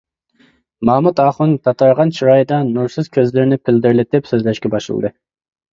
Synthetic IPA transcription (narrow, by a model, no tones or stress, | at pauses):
mɑmut̪ɑχunt̪ʰɑt̪ʰɑɾʁɑnt͡ʃʰiɾɑjd̪ɑnuɾsɨz̥kʲʰøzlɪɾɪnɪpʰɪld̪ɪɾlɪt̪ɪpsøzlɛʃkʲɛbɑʃɨ̰lˠd̪ɨ